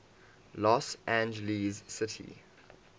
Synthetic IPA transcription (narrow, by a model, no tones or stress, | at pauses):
lɔsæ̃nd͡ʒəlizsɪtʰḭ